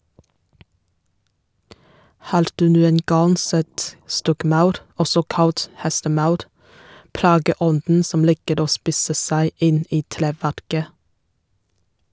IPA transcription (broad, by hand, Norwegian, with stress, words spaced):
ˈhɑːɾ ˈdʉː ˈnuːən ˈɡɑŋ ˈsɛt ˈstɔkˌmɑʉɾ ˈɔsɔ ˈkɑlt ˈhɛstəˌmɑʉɾ ˈplɑːɡəˌɔndn̩ ˈsɔm ˈliːkəɾ ˈoː ˈspiːsə ˈsæɪ ˈɪn ˈiː ˈtɾeːˌʋæɾkə